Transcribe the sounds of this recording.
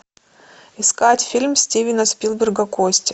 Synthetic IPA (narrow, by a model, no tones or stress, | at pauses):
ɪskatʲfʲilʲmsʲtʲivʲɪnəspʲilˠbʲɪrɡɐkosʲtʲɪ̥